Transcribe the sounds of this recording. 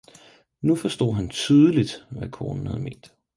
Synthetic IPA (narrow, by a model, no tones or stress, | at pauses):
nufɒsd̥o̝̰ð̰ˠɦænt͡sʰyð̞ˠəlid̥ʋækʰoːnn̩hæð̞̩̰ˠme̝̰ːnd̥